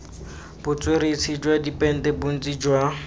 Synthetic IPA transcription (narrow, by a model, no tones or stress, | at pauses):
b̥ʊt͡sʼweɾet͡sʰid͡ʒwadipʼɛn̩tʼɛbʊn̩t͡sʼid͡ʒwa